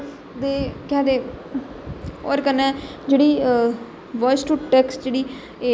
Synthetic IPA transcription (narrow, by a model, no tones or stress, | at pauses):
d̪eːkɛːd̪eː | o̰ːɾkənːɛːd͡ʒeːɽiː | ʋɔːsʈuːʈɛːksʈd͡ʒeːɽiː | e